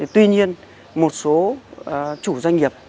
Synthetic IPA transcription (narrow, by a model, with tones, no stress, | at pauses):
t̪wi˧ɲi˧ən | mo˨˩t̚so˨˦˨ | t͡ɕu˧˩za˧jŋ̟ŋi˨˩əp̚